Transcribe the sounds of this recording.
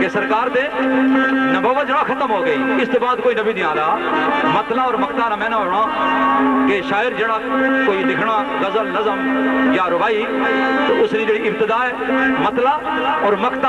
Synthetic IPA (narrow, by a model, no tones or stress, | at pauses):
kesəɾkaːɾt̪eː | nəboːʋət̪̚d͡ʒeːɽakʰət̪əmɦoːɡəiːɪst̪oːbaːd̪koːiːnəbʱiːnĩãːd̪aːmət̪laːɔːɾməkt̪aːnaːmɛ̃ːnaɦoːɽ̃aː | keʃaːɪɾd͡ʒeːɽãːkoːid̪ɪkʰɽ̃aːɣəzəlnəzəmjaːɾʊbaːi | t̪oʔʊsniːd͡ʒeːɽiːɪb̚t̪ɪd̪aːɛːmət̪laː | ɔːɾməkt̪a